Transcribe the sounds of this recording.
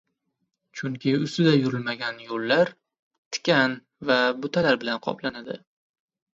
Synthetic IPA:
t͡ʃʰʊŋkʲʰɪʊst̪ɪd̪ajʊɾɪlmaɡʲanjolːaɾ | t̪ʰɪ̥kʲʰan | vabʊt̪ʰalaɾbɪlanqʰɒ̰planad̪ɪ

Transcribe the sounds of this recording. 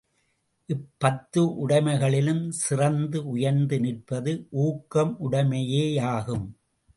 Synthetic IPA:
ʔɪpːɐt̪ːɯʔʊɽɐɪmɐɪɣɐɭɪlɯmsɪrɐnd̪ɯʊjɐɾnd̪ɯnɪr̚pɐðɯʔuːkːɐmʔʊɽɐmɐjeːaːɣɯm

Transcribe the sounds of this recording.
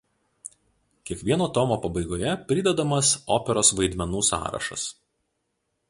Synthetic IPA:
kʲiɛkʋʲiɛnoːt̪ɔmoːpɐbɐɪɡoːjɛpʲɾʲɪd̪ʲɛd̪ɐmɐsoːpʲɛɾoːsʋɐɪd̪ʲmʲɛnuːsɑ̰ːɾɐ̰ʃɐ̰s

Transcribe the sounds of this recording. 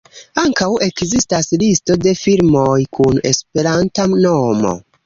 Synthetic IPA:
aŋkawʔe̞kzistaslisto̞de̞filmo̞jkʰune̞̰spe̞ɾantamnomo̞̰

